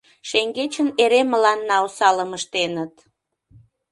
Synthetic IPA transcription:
ʃeŋɡet͡ɕəneɾeməlɑnːɑusɑləməʃt̪enət̪

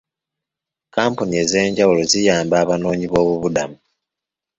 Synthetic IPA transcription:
kaːmpunie̞ze̞ːɲɟawulo̞zijaːmbaːβano̞ːɲiβo̞ːβuβudamu

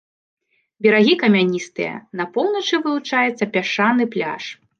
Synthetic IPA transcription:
bʲɛɾaɣʲikɐmʲanʲist̪ɨ̰jɐ̰nɐpɔwnɐt͡ʂɨvɨlˠut͡ʂajɛt̪sːɐpʲaʂanɨplʲa̰ʂ

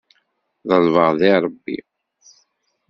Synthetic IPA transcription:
ðəlvəʁðiɾˤəbːḭ

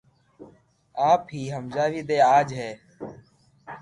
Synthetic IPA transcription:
aːpɦiːɦəmzaːʋiːd̪eːaːd͡ʒɦeː

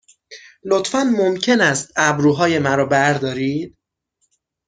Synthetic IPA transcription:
lot̪fænmomcʰe̞næst̪̚æbɾuːɦɒːje̞mæɾɒːbæɾd̪ɒːɾiːd̪̥̚

